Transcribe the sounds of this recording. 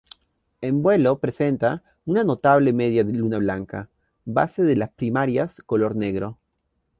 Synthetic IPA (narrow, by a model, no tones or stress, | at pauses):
embwe̞lo̞pɾese̞nt̪a | unano̞t̪aβ̞le̞meðjaðelunaβlaŋka̰ | ba̰seðelaspɾimaɾjasko̞lo̞ɾne̞ɣɾo̞